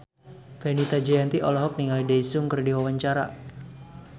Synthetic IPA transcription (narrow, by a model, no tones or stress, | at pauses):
fɛnit̪ad͡ʒajant̪iʔɔlɔɦɔk̚niŋalidaisʊŋkərdiwawaɲt͡ʃaɾa̰